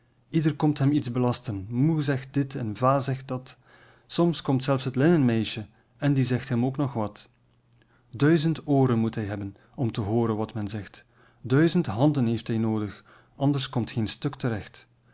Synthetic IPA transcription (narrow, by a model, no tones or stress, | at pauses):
idərkɔmtɦɛmitzbəlɑstənmuzɛxt̚d̥ɪtɛnvaːzɛxt̚d̥ɑt | sɔmskɔmtsɛlfsɦətlɪnənmɛjʃə | ɛndizɛxtɦɛmoːknɔxʋɑt | dœɥzəntoːɾənmutɦɛjɦɛbən | ɔmtəɦoːɾənʋɑtmɛnzɛxt | dœɥzəntɦɑndənɦeːftɦɛjnoːdəx | ɑndərskɔmtxeːnstɵktəɾɛxt